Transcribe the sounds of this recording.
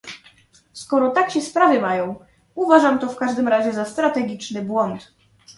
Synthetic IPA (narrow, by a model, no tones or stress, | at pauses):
skɔɾɔt̪akɕɛspɾavɘmajɔ̃w̃ | uvaʐamt̪ɔfkaʐd̪ɘmɾaʑɛzast̪ɾat̪ɛɡʲit͡ʂnɘbwɔnt̪